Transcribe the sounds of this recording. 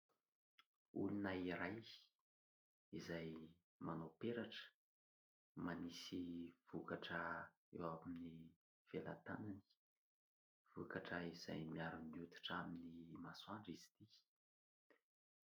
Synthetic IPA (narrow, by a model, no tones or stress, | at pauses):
ulinaiɾaj | izaj | manopeɾaʈ͡ʂə̥ | manisiv̥ukaʈ͡ʂə | ewamamini | v̥ela̰t̪anani̥ | v̥ukaʈ͡ʂəiz̥a̰jmiaɾumiut̪i̥ʈ͡ʂaminimaswaɳɖ͡ʐizi̥t̪i